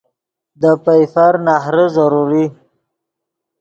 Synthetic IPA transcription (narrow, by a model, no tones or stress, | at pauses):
d̪əpajfaɾnahɾəzaɾuɾi